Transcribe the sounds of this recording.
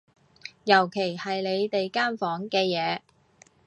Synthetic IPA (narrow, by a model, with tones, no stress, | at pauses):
jɐ˨˩wkʰe˨˩jhɐ˨jle˨˧jt̪e˨jkaː˥nfɔː˨˥ŋkɛː˧jɛː˨˧